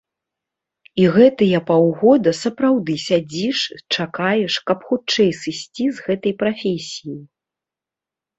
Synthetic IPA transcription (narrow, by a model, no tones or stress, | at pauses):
iɣɛt̪ɐjɐpawɣɔd̪ɐsɐpɾawd̪ɨsʲad͡zʲiʂt͡ʂakajɛʂkɐpxut͡ʂɛjsɨsʲt͡sʲizɣɛt̪ɐjpɾafʲesʲijij